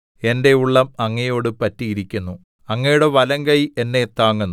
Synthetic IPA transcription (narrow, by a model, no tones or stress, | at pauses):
e̞nde̞uɭːɐmɐŋːɐjo̞ːɽɨpɐtːiiɾikʲːunːu | ɐŋːɐjuɽe̞ʋɐlɐŋɡɐje̞nːe̞t̪aːŋːunː